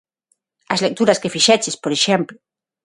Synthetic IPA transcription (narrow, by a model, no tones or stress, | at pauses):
ɐzlek̚t̪uɾɐskefiʃɛt͡ʃespoɾeʃemplʊ